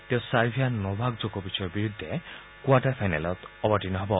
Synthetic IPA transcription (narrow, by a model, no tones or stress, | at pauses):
t̪ew̃saɾbʰʱianɔbʱaɡd͡zokɔbisʰɔɔbiɾud̪ʱːe | kwaʈaɾpʰajnalɔt̪ɔbɔʈinɔɦebɔ